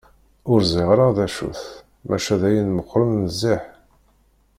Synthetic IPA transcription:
ʊɾziʁɾəðæʃṵθ | mʔæʃæðæjinməqːɾənnəzːiħ

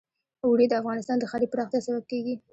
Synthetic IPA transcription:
wɽed̪əafɣɑnɪst̪ɑnd̪əxalipəɾɑxt̪jɑsabab̚keɡi

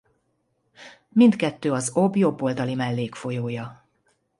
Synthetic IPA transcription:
mind̪kɛt̪ːøːɒzo̞bjo̞bːold̪ɒlimɛlːeːkfo̞joːjɒ

